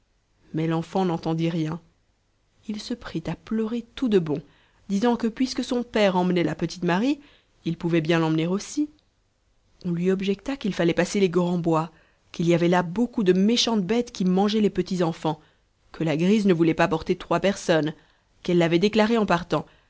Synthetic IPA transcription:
mɛlɑ̃fɑ̃nɑ̃t̪ɑ̃d̪iʁjɛ̃ | ilsəpχit̪aplœʁet̪ud̪əbɔ̃ | d̪izɑ̃kəpɥiskəsɔ̃pɛʁɑ̃mnɛlapət̪i̥t̪maʁi | ilpuvɛbjɛ̃lɑ̃mneʁosi | ɔ̃lɥiɔbʒɛkt̪akilfalɛpaseleɡʁɑ̃bwa | kiliavɛlabokud̪əmeʃɑ̃t̪bɛt̪kʲimɑ̃ʒɛlepət̪izɑ̃fɑ̃ | kʰəlaɡʁiznəvulɛpapɔʁt̪et̪χwapɛʁsɔn | kɛlːavɛd̪eklaʁeɑ̃paʁt̪ɑ̃

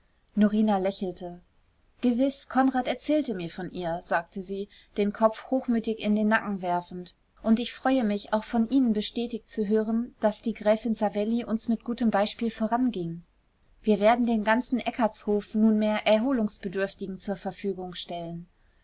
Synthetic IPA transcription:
noʁiːnalɛçl̩tʰə | ɡ̥əvɪskʰɔnʁaːtɛɐt͡sɛːltəmiːɐfɔnʔiːɐzaːk̚tʰəziː | d̥eːnkʰɔp͡fhoːxmyːtɪçɪndeːnːakŋ̩vɛɐfn̩t | ʔʊntɪçfʁ̥ɔʏəmɪça̰ʊxfɔnʔiːnənbəʃtɛːtɪçt͡suɦøːʁənd̥asd̥iːɡʁɛːfɪnzavɛliʔʊnsmɪt̚ɡ̥uːtəmbaɪʃpiːlfoːʁanɡɪŋ | viːɐveːɐdn̩deːnɡant͡sn̩ʔɛkʰɐshoːfnuːnmeːɐʔɛɐɦoːlʊŋsb̥ədʏɐftɪɡŋ̩t͡suːɐfɛɐfyːɡʊŋʃtɛlən

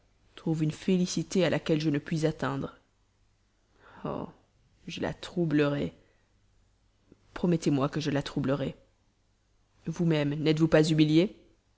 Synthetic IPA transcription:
t̪χuvynfelisit̪ealʔakʲɛlʒənəpɥizat̪ɛ̃d̪ʁ | o̰ | ʒəla̰t̪χubləʁɛ | pχɔmɛt̪emwakəʒəlat̪χubləʁɛ | vumɛmnɛt̪vupazymilje

